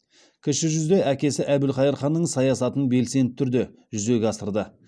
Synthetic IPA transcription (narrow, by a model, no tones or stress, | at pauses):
kʲʰɪʃɪʒʏzd̪e̞jækʲe̞sɪʔæbɪlχɑjəɾχɑnːəɴsɑjɑsɑt̪əɴbe̞lse̞nɪt̪ʰːʏɾd̪e̞ʒʏze̞ɡʲɑsəɾd̪ə